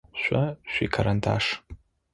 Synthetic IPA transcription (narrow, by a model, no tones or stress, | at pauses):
ʃʷaʃʷikʰaɾantʰa̰ʂ